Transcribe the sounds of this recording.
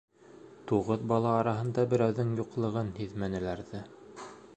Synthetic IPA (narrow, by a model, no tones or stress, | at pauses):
t̪uʁɤðbɑlˠɑːɾɑɦɤ̆nd̪ɑbɘ̆ɾæwðɘŋjuqlˠɤ̆ʁɤnhiðmænɘ̆læɾðɘ